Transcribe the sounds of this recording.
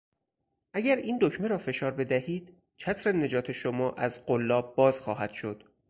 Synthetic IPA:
ʔæɟæɾiːnd̪ocʰmeɾɒːfe̞ʃɒːɾbe̞d̪æhiːd̪̥ | t͡ʃʰæt̪ʰɾene̞d͡ʒɒːt̪ʰe̞ʃomɒːʔæzɢolːɒːb̚bɒːzxɒːɦæd̪̥ʃo̞d̪̥

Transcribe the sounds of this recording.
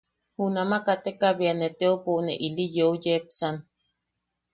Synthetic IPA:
hunamakat̪ekaβianet̪eopoʔneʔilijoujepsan

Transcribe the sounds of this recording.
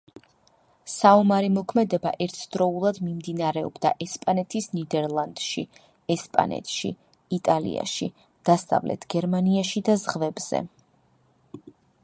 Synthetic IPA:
saɔmaɾimɔkʰmɛd̪ɛbaʔɛɾt̪ʰd̪̥ɾɔulˠad̪mimd̪inaɾɛɔ̰bd̪aʔɛspʼanɛt̪ʰisnid̪ɛɾlˠand̪̥ʃi | ɛspʼa̰nɛ̰t̪ʰʃḭ | it̪ʼalḭa̰ʃi | d̪̥asa̰vlɛ̰t̪ʰɡ̥ɛɾmaniaʃid̪azʁvɛbz̥ɛ̰

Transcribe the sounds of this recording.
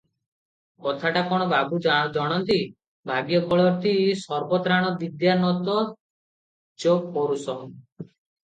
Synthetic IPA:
kɔt̪ʰaʈakɔɽ̃ɔbabud͡ʒd͡ʒɔɽ̃ɔnt̪i | bʱaɡjɔkɔɭɔt̪isɔɾbɔt̪ɾaɽ̃ɔbid̪janɔt̪ɔ | d͡ʒok̚pɔɾusɔn

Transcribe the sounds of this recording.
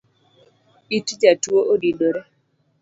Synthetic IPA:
itd͡ʒatwoʔodidoɾe

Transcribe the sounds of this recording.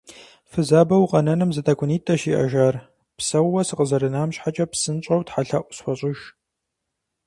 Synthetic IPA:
fɨzaːbɐwqɐnɐnɨmzɨtʰɐkʷʰʼʊniːtʼɐʃiːʔɐ̰ʒaːr | psɐwːɐsɨqəzɐɾɨnaːmɕħat͡ʃʼɐpsɨnɕʼɐwtħaɬɐʔʷʊsxʷɔɕʼɪʃ

